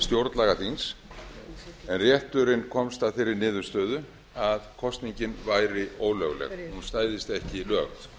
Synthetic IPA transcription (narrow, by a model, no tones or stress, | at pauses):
st̪jowɾt̪laːɣaθins | ɛnrjɛht̪ʏɾɪnkʰɔmst̪aðfɪːɾɪɾnɪːðʏ̥st̪œːðʏ | aðkʰɔst̪niɲcɪnvajɾɪoːwlœɣlɛ̰ɣhunst̪aːjðɪst̪ɛhcɪilœːɣt̪